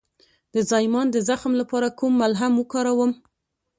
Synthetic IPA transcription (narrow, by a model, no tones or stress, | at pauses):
d̪̥əzɑjmɑnd̪əzaxmlapɑɾakumːalɦamwəkɑɾawəm